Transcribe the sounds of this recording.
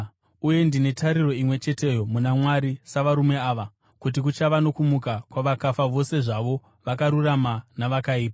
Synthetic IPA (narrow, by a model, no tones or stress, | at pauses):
uje̞ndine̞tʰaɾiro̞imwe̞t͡ʃe̞te̞ːjo̞munamwaɾisaʋaɾume̞aːʋa | kut̬ik̬ut͡ʃaʋano̞kumukakwaʋakafaʋo̞se̞ʐaʋo̞ | ʋakaɾuramanaʋakaiːpa